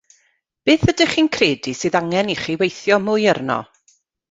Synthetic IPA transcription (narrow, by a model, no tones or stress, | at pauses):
b̥eːθb̥ədɪχiːnkʰreːdisɨːðaŋɛniχiwejθjɔmʊjərnɔ̰